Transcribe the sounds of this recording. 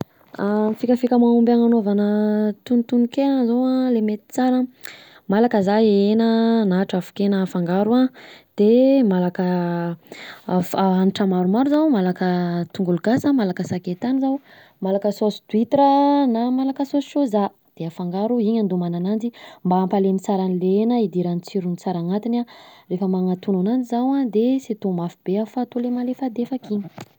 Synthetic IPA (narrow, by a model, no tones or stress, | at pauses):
amfikəfikʲəmanumbaŋanavanət̪unt̪unikenəzawalemet̪i̥t͡saɾə | malakəzaenənaʈ͡ʂafu̥kenəːfaŋɡaɾuad̪̥emalakə | faaniʈ͡ʂəmaɾumaɾuzawmalakət̪uŋɡuluɡasamalakəsaket̪anizaw | malakəsosi̥t̪uit̪eɾənamalakəsosʃoza | d̪̥eafaŋɡaɾuiɲand̪umananand͡zimbaːmpalenit͡saɾanilenəid̪iɾanit͡siɾunit͡saɾaŋat̪inarefəmaŋat̪unanand͡zizawad̪eset̪omafib̥eafat̪ulemalefad̪efakiɲ